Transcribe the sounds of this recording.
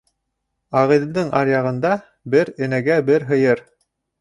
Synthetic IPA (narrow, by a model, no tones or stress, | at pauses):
ɑʁĭðɘ̆nd̪ɘŋɑɾjɑʁɤ̆nd̪ɑ | bɘɾɘ̆næɡæbɘɾɦɤ̆jɤɾ